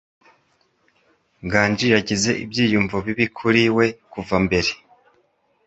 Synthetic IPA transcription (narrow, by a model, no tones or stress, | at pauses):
ŋɡaːnd͡ʒiɾaɟize̞ʔibjiːjuɱvoβiβikʰuɾiwe̞kuvambe̞ɾe̞